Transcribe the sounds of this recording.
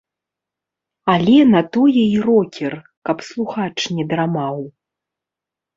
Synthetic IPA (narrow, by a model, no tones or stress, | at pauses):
alʲɛnɐt̪ɔjɛirɔkʲɛr | kɐpslˠuxat͡ʂnʲɛd̪ɾamaw